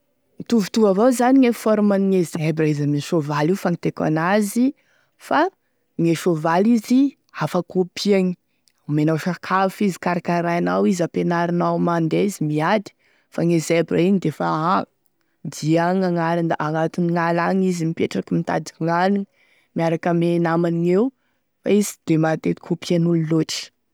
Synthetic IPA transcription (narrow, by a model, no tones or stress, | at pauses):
it̪uvu̥t̪uvavozaniŋefɔɾumaniŋezebraizameʃovalifaŋit̪eka̰nazi | fa | ŋeʃovalizi | afakopʰiaŋi̥ | menawʃakʰafizi̥kaɾakanɾajanawizapenaɾinawmand̪eizimiad̪i̥ | faŋezebra̰iɲd̪efaa | d̪iaŋaŋaɾind̪aʔaŋat̪uniŋalaŋizimipeʈ͡ʂakimit̪a̰d̪iŋaniŋ | miaɾakəmenamaniŋew | faizi̥d̪̥emat̪et̪i̥kʰopianululoʈ͡ʂə̥